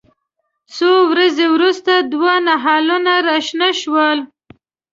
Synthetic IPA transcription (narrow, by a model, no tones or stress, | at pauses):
sowɾazewɾust̪ad̪wanaɦɑlunaɾaʃnaʃwəl